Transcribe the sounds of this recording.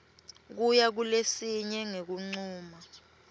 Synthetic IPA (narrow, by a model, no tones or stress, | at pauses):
k̬ujak̬ulesiɲɛŋek̬uŋ͡ǀuːma